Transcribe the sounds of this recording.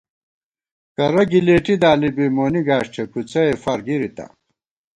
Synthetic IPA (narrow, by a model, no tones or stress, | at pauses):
kɐɾɐɡileːʈid̪aːlibiːmoːniɡaːɕʈʰekut͡sɐefaːɾɡiɾit̪a̰